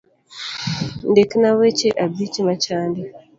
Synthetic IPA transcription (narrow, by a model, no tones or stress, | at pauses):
ndekinawet͡ʃeʔabit͡ʃimat͡ʃaːndi